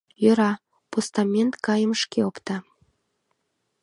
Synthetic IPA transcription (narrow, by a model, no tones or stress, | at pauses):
jøɾɑ | post̪ɑmʲent̪kɑjəməʃkeopt̪ɑ